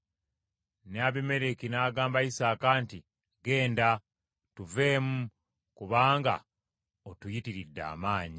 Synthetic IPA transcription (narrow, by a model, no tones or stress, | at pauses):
neaβime̞ɾekinaːɡaːmbaisaːkaːnti | ɡe̞ːnda | tuve̞ːmu | kuβaːŋɡa̰ | otujitiɾidːa̰ːmaːɲi